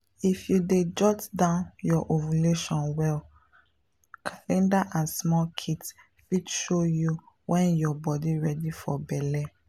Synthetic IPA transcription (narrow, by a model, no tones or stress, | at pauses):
ifjuded͡ʒɔtdãʊ̃njɔʔovuleʃɔ̃nwɛl | kʰalɛ̃ndaʔãnsmɔlkʰits | fitʃoju | wʔɛ̃njɔbɔdiɹɛdifɔbɛlɛ